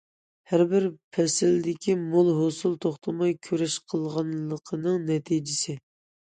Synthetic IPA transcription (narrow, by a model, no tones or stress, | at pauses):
hæɾbɪɾpʰɛsɪld̪ɪkʲimolˠɦosulˠt̪ʰoχt̪ʰəmɑjkʲʰøɾɛʃqʰəlˠʁɑnləqʰənɨŋnɛt̪ʰid͡ʒɪsɪ